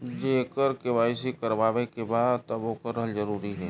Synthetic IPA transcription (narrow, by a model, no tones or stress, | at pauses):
d͡ʒeːkəɾkeʋaːis̬ikəɾʋaːʋekebaːd̪t̪əboːkəɾːəɦəld͡ʒəɾuːɾiɦɛː